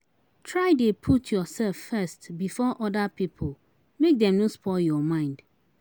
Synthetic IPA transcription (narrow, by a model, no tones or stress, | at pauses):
tʰɹaɪdepʰutʰjɔsɛlfːɛstbifɔʔɔdapʰipʰol | mek̚dɛ̃mnũspʰɔljɔmãɪ̃nd̥